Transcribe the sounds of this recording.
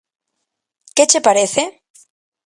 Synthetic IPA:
ket͡ʃepaɾeθe

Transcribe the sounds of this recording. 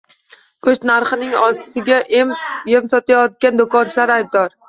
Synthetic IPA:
kʰɵt͡ʃnaɾχɨnɪŋɒssɪɡʲaʔjemsɒt̪ajɒt̪̚ɡʲand̪okɒnt͡ʃʰlaɾajb̚d̪ɒɾ

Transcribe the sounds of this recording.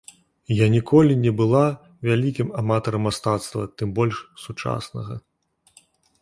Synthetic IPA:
janʲikʰɔlʲinʲɛbɨlˠa | vʲalʲikʲimamat̪ɐɾɐmːast̪at̪st̪vɐt̪ɨmbɔlʲʂsut͡ʂa̰snɐ̰ɣɐ̰

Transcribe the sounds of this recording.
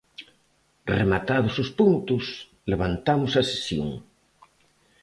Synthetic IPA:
remat̪aðʊsʊspunt̪ʊs | leβ̞ant̪amʊsɐse̥sjo̰ŋ

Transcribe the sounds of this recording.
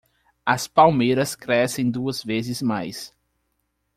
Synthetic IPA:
ɐspawmejɾɐskɾɛsẽj̃d̪uɐzvezɪzmajs

